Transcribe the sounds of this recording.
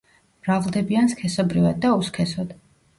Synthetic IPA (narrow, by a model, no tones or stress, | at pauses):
mɾavlˠd̪ɛbianskʰɛsɔbɾivad̪̚ːauskʰɛsɔd̪̥